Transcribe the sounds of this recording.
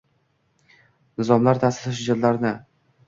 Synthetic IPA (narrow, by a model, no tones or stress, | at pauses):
nɪzɒmlaɾt̪ʰasɪ̥ɾɪʃ̬ʊd͡ʒat̪laɾnɪ